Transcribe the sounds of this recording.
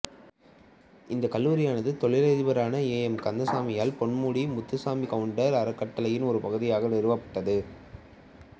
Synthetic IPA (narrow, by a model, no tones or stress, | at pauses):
ɪnd̪ɐkɐlːuːɾɪjaːnɐðɯt̪ɔɭɪlɐðɪʋɐɾaːnɐeːjɛmkɐnd̪ɐsaːmɪjaːlpɔɳmuːɽimʊt̪ːɯsaːmikɐʋɯɳɖɐɾɐɾɐkːɐʈːɐlɐjɪnɔɾɯpɐɣɯðɪjaːɣɐnɛɾɯʋɐpːɐ̥ʈːɐðɯ